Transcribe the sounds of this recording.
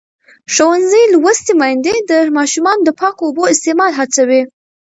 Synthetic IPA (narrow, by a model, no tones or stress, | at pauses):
ʃowanzəjlwast̪emɑjnd̪ed̪əmɑʃumɑnod̪əpɑkooboɪst̪emɑlɦat͡sawi